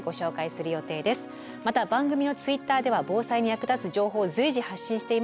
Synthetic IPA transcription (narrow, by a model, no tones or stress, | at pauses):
ɡo̞ɕo̞ːkaisɨɾɯ̟jo̞t̪e̞ːd̪e̞sɨ̥ | mat̪abãŋɡɯ̟mʲino̞t͡sɨit̪ːaːd̪e̞β̞abo̞ːsaiɲ̟ijakɯ̟d̪at͡sɨʑo̞ːɦo̞ːzɨiʑihaɕːĩɕi̥t̪e̞im